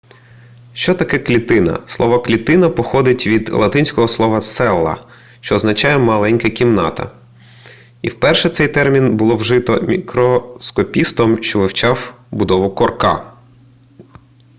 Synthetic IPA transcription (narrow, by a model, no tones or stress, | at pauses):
ʃt͡ʃɔt̪ɐkɛklʲit̪ɪnɐ̰slˠɔʋɐklʲit̪ɪnɐpɔxɔd̪ɪtʲʋʲid̪lˠɐt̪ɪnʲsʲkɔɦɔslˠɔʋɐsɛlˠːɐ̰ | ʃt͡ʃɔːznɐt͡ʃɑjɛmɐlˠɛnʲkɐkʲimnɑt̪ɐ̰ | ḭwpɛrʃɛt̪sɛjt̪ɛrmʲinbʊlˠɔwʒɪt̪ɔmʲikɾɔskɔpʲist̪ɔmʃt͡ʃɔʋɪwt͡ʃɑwbʊd̪ɔʋʊkɔrkɑ̰